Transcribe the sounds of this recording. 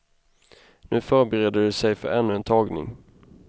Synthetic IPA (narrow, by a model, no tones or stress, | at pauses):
nʉ̟ːfœɾbəɾeːd̪əɖɵsɛjfœ̰ɾɛnːɵɛnt̪ʰɑːɡnɪ̰ŋ